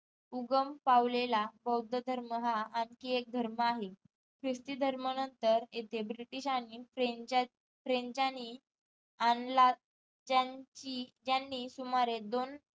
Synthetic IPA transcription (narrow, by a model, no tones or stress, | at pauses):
uɡəmpaʋlelabəwd̪ʱəd̪ʱəɾməɦaːnkiek̚d̪ʱəɾməaɦe | kɾist̪id̪ʱəɾmənənt̪əɾet̪ʰebɾiʈiɕaɽ̃ifɾed͡ʑ | fɾeɲd͡ʑani | anla | d͡ʑat͡ɕid͡ʑjanːiːsumaɾed̪on